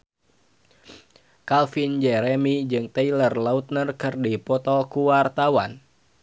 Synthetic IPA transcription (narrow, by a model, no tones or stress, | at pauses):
kalfind͡ʒɛɾɛmid͡ʒɨŋt̪əilərlaut̪̚nərkɨrdipɔt̪ɔkuwart̪awan